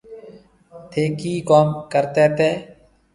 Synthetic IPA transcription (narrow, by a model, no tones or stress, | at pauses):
t̪ʰeːkiːkoːmkəɾt̪eːt̪eː